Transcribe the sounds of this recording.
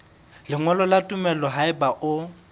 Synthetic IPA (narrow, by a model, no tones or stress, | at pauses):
lɪŋwɛlɔlatʼumɛlɔɦaɪbaʔʊ